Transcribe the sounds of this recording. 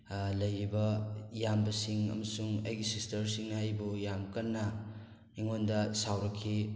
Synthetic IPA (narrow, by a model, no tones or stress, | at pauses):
lɐjɾibɐjambɐsiŋɐ̰mɐsuŋɐ̰jɡisistɐɾsiŋnaɐjbujamkɐnːɐ | iŋondɐsawɾɐkʰːi